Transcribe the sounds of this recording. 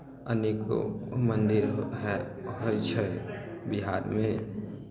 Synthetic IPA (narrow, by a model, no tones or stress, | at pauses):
əneko̰mənd̪iɾ | ɦot͡ʃʰɛbiɦaɾme